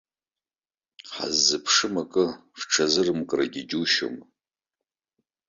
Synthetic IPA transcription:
ħa̰zːɨpʰʂɨmakʼɨfʈ͡ʂʰazɨrɨmkʼraɡʲid͡ʒʲuʃo̰m

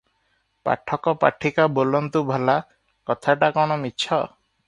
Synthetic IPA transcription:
pa̰ʈʰɔkɔpa̰ʈʰikabolɔnt̪ubʱɔla | kɔt̪ʰaʈakɔɽ̃ɔmitːt͡ʃʰɔ

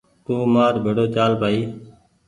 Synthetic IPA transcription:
t̪uːmaːɾbʱeːɽoːt͡ʃaːlpaːiː

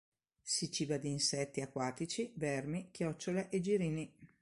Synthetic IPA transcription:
sit͡ʃiːbad̪iːnsɛt̪ːiakːwaːt̪it͡ʃivɛrmikjɔt͡ʃːoleʔed͡ʒiɾiːni

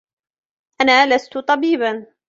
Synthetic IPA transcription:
ʔanaːlast̪ʊt̪ˤɑbiːban

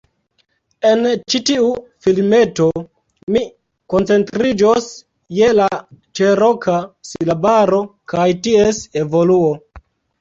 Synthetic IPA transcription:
e̞nt͡ʃitiufilme̞to̞ | mi | ko̞nt͡se̞ntɾid͡ʒos | jelat͡ʃeɾokasilabaɾo̞kajtiese̞vo̞luo

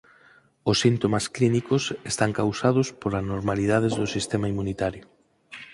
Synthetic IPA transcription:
ʊsːint̪omasklinikʊsest̪aŋkawsað̞ʊspolaznoɾmaliðað̞ezðʊsist̪emaimunit̪aɾjʊ

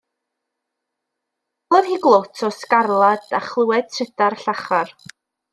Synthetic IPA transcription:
boːðhiːɡlˠotʰɔskarlˠad̥aχlˠuwɛd̥̚tʰrɪdarɬaχar

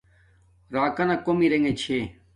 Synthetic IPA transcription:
ɾaːkanakomiɾeŋet͡ɕʰeː

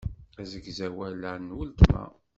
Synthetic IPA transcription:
æzəɡzæwælænːwəlt̪mæ̰

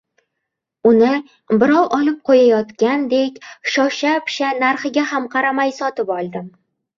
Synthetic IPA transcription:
ʊnɪ | bɪɾɒwɒlɪp̚qʰojajɒt̪kʲand̪e̞kʲʃɒʃapɪ̥ʃanaɾχɪɡʲahamqʰɑɾamajsɒt̪ɪpɒlˠd̪ɪm

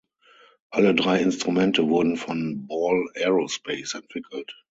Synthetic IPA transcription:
ʔalədʁaɪɪnstʁumɛ̃ntəvʊɐdn̩fɔ̃nbɔlɛɹospeɪsɛ̃ntv̥ɪkʰəl̩t

